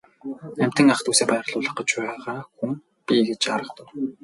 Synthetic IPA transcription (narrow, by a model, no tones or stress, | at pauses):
æm̥ʲt̪ɘ̆ŋaχt̪ʰuːseːpæːr̆ɮʊːɮə̆χɢə̆t͡ɕpæːʁaːxum | pʲiɡet͡ɕaɾə̆χt̪ʊ̆w